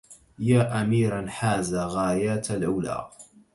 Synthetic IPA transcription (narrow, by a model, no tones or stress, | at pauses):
jaːʔamiːɾanħaːðaːɣaːjaːt̪alʕʊla̰ː